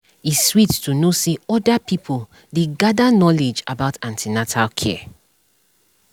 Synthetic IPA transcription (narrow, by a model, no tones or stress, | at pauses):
iswittunosiɔdapipʰul | deɡadanɔled͡ʒa̰baʊtʰãntʰinatʰalkʰɛ̰